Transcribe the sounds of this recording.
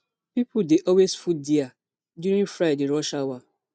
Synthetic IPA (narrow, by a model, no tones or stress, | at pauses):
pipʰudeʔɔwesfudia | duɾĩŋfɾadeɾɔʃawa